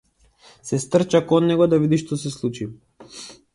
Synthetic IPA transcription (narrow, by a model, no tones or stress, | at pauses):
sɛst̪r̩t͡ʃakɔnːɛɡɔd̪avid̪iʃt̪ɔsɛslˠut͡ʃi